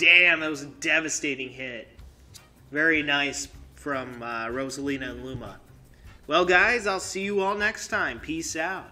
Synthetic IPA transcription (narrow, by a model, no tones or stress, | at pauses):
d̥æ̃mðɨt̚wʌzɨdɛvɨsteɪɾɪ̃ŋɦɪt̚ | vɛɹinaɪsfɹʌ̃mʌɹoʊzəlĩnɨə̃nlumə̰ | wɛlˠɡaɪzaɪlˠsijɨɔlˠnɛkstʰãɪ̃mpʰisaʊt̚